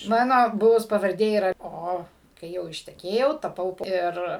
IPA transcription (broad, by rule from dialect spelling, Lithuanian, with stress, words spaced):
ˈmɑːnoː ˈbʊʋʊs pɐʋɐrʲˈdʲeː iːˈrɐ ˈoː kɐɪ ˈjɛʊ ɪʃʲtʲɛˈkʲeːjɛʊ tɐˈpɐʊ ˈɪr